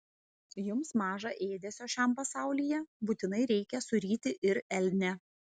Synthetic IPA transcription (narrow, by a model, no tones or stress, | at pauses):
jʊmsmɑːʒɐʔeːd̪ʲɛsʲoːʃʲæˑmpɐsɑˑʊlʲiːjɛbuːt̪ʲɪnɐɪɾʲɛɪkʲɛsʊɾʲiːt̪ʲɪʔɪɾɛlʲnʲɛ